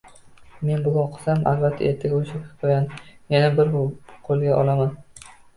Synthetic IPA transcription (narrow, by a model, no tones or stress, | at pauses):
me̞nbʊɡaqʰɨ̥samʔa̰lbat̪ʰːa̰ʔeɾt̪ʰɪɡʲaoʃɪpqʰojanjanabɪɾqʰolˠɡʲaʔɒlˠaman